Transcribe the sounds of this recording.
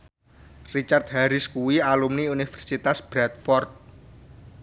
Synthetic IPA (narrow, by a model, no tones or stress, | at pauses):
rit͡ʃart̪̚haɾɪskuwialumniunifɛrsit̪asb̥ɾat̪̚fɔrt̪̚